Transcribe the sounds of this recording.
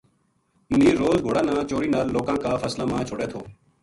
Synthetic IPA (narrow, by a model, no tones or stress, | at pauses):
mʊniːɾːoːzɡʱoːɽaːnãːt͡ʃoːɾiːnaːɾlːoːkãːkaːfəslaːmãːt͡ʃʰoɽeːt̪ʰoː